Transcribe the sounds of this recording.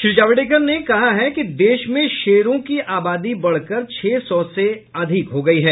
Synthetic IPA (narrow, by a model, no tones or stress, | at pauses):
ʃɪɾɪd͡ʒaːʋɪɖeːkəɾnekɐɦaɦɛkid̪eːʃmẽʃeːɾõkiʔaːbaːd̪ibɐɽ̤kəɾt͡ʃʰɛːsɔseɐd̪ʱɪkɦoːɡɐiɦɛː